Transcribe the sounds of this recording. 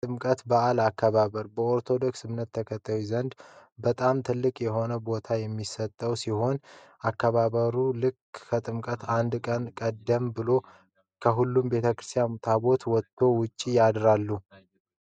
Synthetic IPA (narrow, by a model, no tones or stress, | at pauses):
t̪ʼɨmkʼət̪baʔalakʰːəβaβəɾbəoɾt̪ʰo̞d̪o̞ksɨmnət̪ʰːəkʰət̪ʰːawizənd̪bət̪ʼamt̪ʰɨlːɨkʼjɛɦo̞nəbo̞t̪ʰajɛmːisət̪ʼːəwsiho̞nakːəβaβəɾulɨkkʰət̪ʼɨmkʼət̪ʰand̪kʼənkʼəd̪ːəmbɨlo̞ | kʰəɦulːumbe̞t̪ʰəkɨɾɨ̥st̪ʰijamut̪ʰaβo̞t̪wɔt̪ʰːo̞wʊt͡ʃʼːijad̪ɾalːu